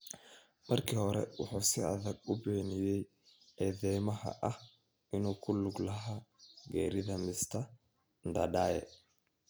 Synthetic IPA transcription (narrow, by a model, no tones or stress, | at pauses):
m̥ɐrkʰiːhɔɾɛ̰wɑ̰ħuːsɪɐ̰ðɐɡʊbɛːnɪjɛj | ɛðɛjmɐɦɐ̰ʔɐh | ɪnuːkʰʊlʊɡlɐɦaːɡɛ̰ːɾɪðɐmɪst̪ʰɐ | nd̪ɐ̰ɖaːjɛ̰